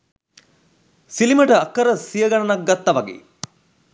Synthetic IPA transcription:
siliməʈəɐkːəɾəsijɐɡɐɳɐnɐk̚ɡɐt̪ːɐʋɐɡḛː

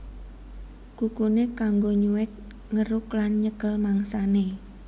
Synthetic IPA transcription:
kukunekaŋɡoɲuwɪk̚ | ŋəɾʊklanɲəkəlmaŋsane

